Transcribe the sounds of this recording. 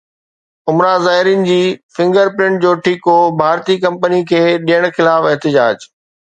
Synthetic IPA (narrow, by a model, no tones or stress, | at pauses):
ʊmɾazaːɦɪɾijənɪ̆d͡ʑiːfɪ̃ŋɡəɾpɾɪ̃ɳʈ̚d͡ʑoːʈʰiːkɦobʱaːɾt̪ikɐ̃mpənikʰeːɗijəɽ̃xɪlaːfɛɦt̪ɪd͡ʑaːd͡ʑ